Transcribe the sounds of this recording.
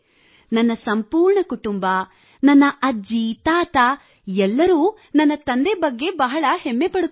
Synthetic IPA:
nɐnːɐsɐmpuːɾɳɐkuʈumbɐ | nɐnːɐʔɐd͡ʒit̪aːt̪a | ɛlːɐɾuː | nɐnːɐt̪ɐnd̪ebɐɡːe̞bɐɦɐɭɐhemːe̞pɐɽu

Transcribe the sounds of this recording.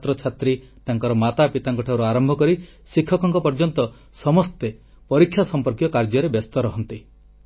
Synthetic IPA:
t̪ɾɔt͡ʃʰat̪ɾi | t̪aŋkɔɾɔmat̪apit̪aŋkɔʈʰawɾuaɾɔmbʱɔkɔɾi | sikʰːɔkɔŋkɔpɔɾd͡ʒɔnt̪ɔ | sɔmɔst̪e | pɔɾikʰːjasɔmpɔɾkjɔkaɾd͡ʒɔɾebjɔst̪ɔɾɔɦɔnt̪i

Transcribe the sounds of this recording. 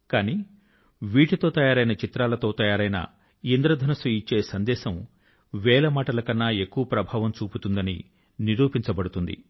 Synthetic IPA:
kaːniː | ʋiːʈit̪o̞ːt̪ɐjaːɾɐjnɐt͡ʃit̪ɾaːlɐt̪o̞ːt̪ɐjaːɾɐjnɐ̰ | ind̪ɾɐd̪ʱɐnɐsuit͡ʃːe̞ːsɐnd̪ɛːʃɐm | ʋɛːlɐmaːʈɐlɐkɐnːaːe̞kːuʋɐpɾɐbʱaːʋɐmt͡ʃuːput̪und̪ɐnḭ | niɾuːpiɲt͡ʃɐbɐɽut̪und̪ḭ

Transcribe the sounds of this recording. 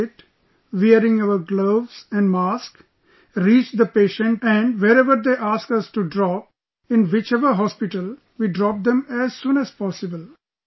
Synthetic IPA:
ɪʈ | ʋiəɾɪ̃ŋaʋəɾɡloːʋsɛ̃ɳɖmaːsk | ɾiːt͡ʃd̪əpeːʃə̃ɳʈɛ̃ɳɖʋeɾɛʋəɾd̪eʔaːskʌsʈuɖɾɔp̚ | ɪ̃nʋɪt͡ʃɛʋəɦɔspɪʈəl | ʋiːɖɾɔp̚d̪ɛ̃mæzsũːnæz̥pɔːsɪbəl

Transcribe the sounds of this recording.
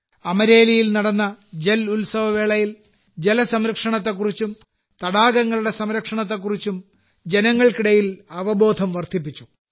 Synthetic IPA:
ɐmɐɾe̞ːlijilnɐɽɐnːɐd͡ʑelulsɐʋɐʋeːɭɐjil | d͡ʑe̞lɐsɐmɾɐkʂɐɳɐt̪ːek̬ːurit͡ɕːum | t̪ɐɽaːɡɐŋːɐɭuɽe̞sɐmɾɐkʂɐɳɐt̪̬ːe̞k̬ːurit͡ɕːum | d͡ʑenɐŋːɐɭkiɽɐjilɐʋɐbo̞ːd̪ʱɐmʋɐrt̪ʰip̬ːit͡ɕːu

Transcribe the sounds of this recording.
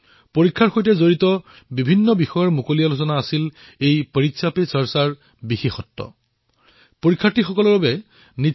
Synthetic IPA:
poɹikʰːaɹxojtɛzoɹitɔ | bibʱinːɔbixɔjɔɹmukolijalosɔnaːsil | ejpəɹitsʰapesɔɹsaɹ | bixexɔtːɔ̰ | poɹikʰːatːixɔkɔlɔbabɛ | ni

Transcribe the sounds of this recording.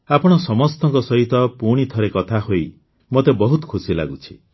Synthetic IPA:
apɔɽ̃ɔsɔmɔst̪ɔŋkɔsɔɦit̪ɔpuɽ̃it̪ʰɔɾekɔt̪ʰaɦoi | mot̪ebɔɦut̪ɔ̥kʰusila̰ɡut͡ʃʰi̥

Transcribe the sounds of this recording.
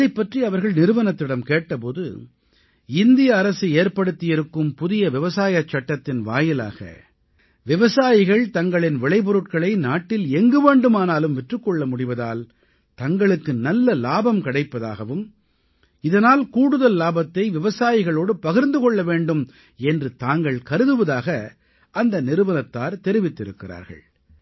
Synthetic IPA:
ɐðɐɪpːɐʈriɐʋɐɾɣɐɭnɪɾɯʋɐnɐt̪ːɪɽɐmkeːʈːɐpoːðɯ̰ | ɪnd̪ɪjɐːɾɐsɯeːɾpɐɽɯt̪ːɪjɪɾɯkːɯmpʊðɪjɐʋɪʋɐsaːjɐt͡ʃːɐʈːɐt̪ːɪnʋa̰ːjɪla̰ːɣɐ̰ | ʋɪʋɐsaːjɪɣɐɭt̪ɐŋɡɐɭɪnʋɪɭɐɪpɔɾɯʈ̚kɐɭɐɪnaːʈːɪlɛŋɡɯʋeːɳɖɯmaːnaːlɯmʋɛʈrɯkːɔɭːɐmʊɽɪʋɐða̰ːl | t̪ɐŋɡɐɭɯkːɯnɐlːɐlaːbɐmkɐɽɐɪpːɐða̰ːɣɐʋɯm | ɪðɐnaːlkuːɽɯðɐlːaːbɐt̪ːɐɪʋɪʋɐsaːjɪɣɐɭoːɽɯpɐɣɪɾnd̪ɯkɔɭːɐʋeːɳɖɯm | ɛndrɯt̪aːŋɡɐɭkɐɾɯðɯʋɐðaːɣɐ | ʔɐnd̪ɐnɪɾɯʋɐnɐt̪ːaːɾt̪ɛɾɪʋɪt̪ːɪɾɯkːɪra̰ːɾɣɐ̰ɭ

